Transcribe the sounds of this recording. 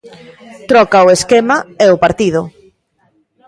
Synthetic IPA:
t̪ɾɔkaʊeskemaɛʊpaɾt̪ið̞ʊ

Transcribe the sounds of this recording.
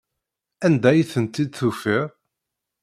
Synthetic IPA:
ænd̪æjiθənt̪ːid̪θufiʁ

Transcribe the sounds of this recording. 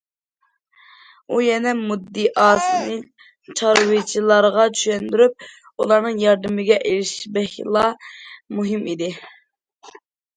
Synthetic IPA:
ujɛnɛmud̪ːiʔɑːsɨnɨ | t͡ʃʰɑɾwɪt͡ʃʰilˠɑɾʁɑt͡ʃʰy̥ʃɛnd̪yɾyp̚ | ṵlˠɑɾnɨŋjɑɾd̪ɪmɪɡʲɛʔelɪʃbɛhlˠɑmuɦimid̪ɪ

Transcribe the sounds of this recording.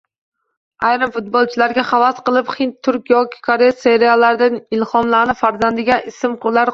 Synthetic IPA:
ajɾɪmfʊt̪̚bolˠt͡ʃʰɪlaɾɡʲaχɑvasqɨlˠɪpχɪnt̪ʰːʊɾkʲjɒkʲɪ̥kʰoɾejase̞ɾijalːaɾɪd̪anɪlˠhɒmlaɾnɪfaɾzand̪ɪɡʲaʔɪsɪmqʰʊɾlaɾ

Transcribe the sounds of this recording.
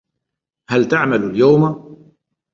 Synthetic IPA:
halt̪aʕmalaljawma

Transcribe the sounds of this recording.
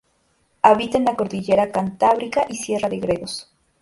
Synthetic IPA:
aβit̪enlako̞ɾðiʝe̞ɾakant̪aβɾikaʔisje̞raðeɣɾeðo̞s

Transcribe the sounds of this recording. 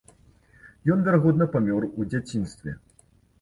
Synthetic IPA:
jɔnvʲarɣɔd̪nɐpamʲɔrud͡zʲat͡sʲinst̪vʲɛ̰

